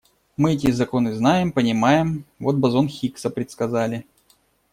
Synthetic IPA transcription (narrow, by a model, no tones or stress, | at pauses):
mɨɛtʲɪzɐko̞nɨznajɪmpənʲɪmajɪmvo̞t̪̚bɐzo̞nxʲiksəpɾʲɪt̪skɐzalʲɪ